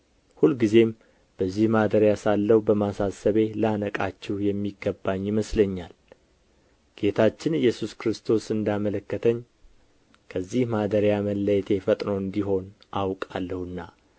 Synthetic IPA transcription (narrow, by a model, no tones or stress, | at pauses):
hulɡize̞m | b̥əzːihmad̪əɾjasalːəhbəmasasəβe̞ləanəkʼat͡ʃːɛhjɛmːiɡəbːaɲːiməsləɲːal | ɡ̥e̞t̪ʰat͡ʃːɪnɨjːɛsuskɾɨst̪ʰo̞sɨnd̪amələkːət̪ʰəɲː | kʰəzːihmad̪əɾjaməlːəjt̪ʰe̞fət̪ʼno̞ɨnd̪iɦo̞n | ʔawkʼalːəhɨnːa